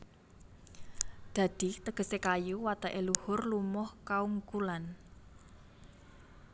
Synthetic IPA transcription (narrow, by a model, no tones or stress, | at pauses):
d̪̥ä̤d̪̥i̤t̪əɡ̥ə̤sekajuwat̪aʔeluhʊrlumɔhkauŋkulan